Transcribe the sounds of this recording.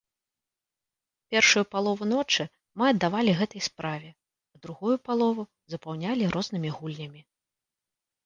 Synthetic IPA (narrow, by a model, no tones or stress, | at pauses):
pʲɛrʂujupalˠɔvunɔt͡ʂɨ | mɨɐd̪ːavalʲiɣɛt̪ɐjspɾavʲɛ | ɐd̪ɾuɣujupalˠɔvu | zɐpawnʲalʲiɾʔɔznɨmʲiɣulʲnʲɐmʲi